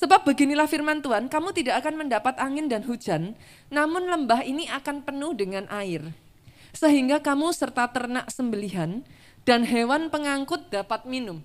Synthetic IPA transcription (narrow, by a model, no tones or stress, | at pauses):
səbap̚bəɡinilahfirmant̪uankamut̪idakakanməndapat̪aŋɪndanɦu̥d͡ʒanː | amʊnləmbaɦiniʔakanpənʊhdəŋanʔaɪr | səɦiŋɡakamusərt̪at̪ərnaʔsəmbəliɦan | d̥anɦewanpəŋaŋkʊt̪̚d̥apat̪̚minʊm